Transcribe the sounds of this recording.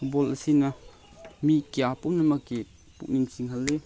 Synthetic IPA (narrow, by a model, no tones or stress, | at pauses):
ubɔlɐsinɐ | mikjapumnɐmɐkːi | pṵk̚niŋsiŋɦɐlːe